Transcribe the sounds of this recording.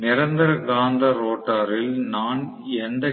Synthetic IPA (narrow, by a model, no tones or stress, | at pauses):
nɪɾɐnd̪ɐɾɐɡaːnd̪ɐɾoːʈːaːɾɪlnaːn | ɛnd̪ɐ